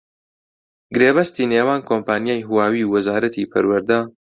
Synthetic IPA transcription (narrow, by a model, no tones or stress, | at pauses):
ɡɾeːbɐst̪iːneːwaːnkʰompaːnijaːjɦuwaːwiːwɐzaːɾɐt̪ʰiːpʰɐ̰ɾwɐɾd̪a